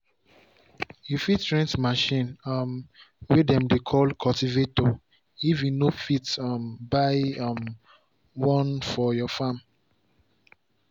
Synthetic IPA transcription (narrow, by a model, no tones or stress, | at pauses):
jufitɹɛ̃ntmaʃĩnam | wɛdɛ̃mdekʰɔlkʰɔltiveto | ivĩnofitmbaɪm | wɔ̃nfɔjɔfãm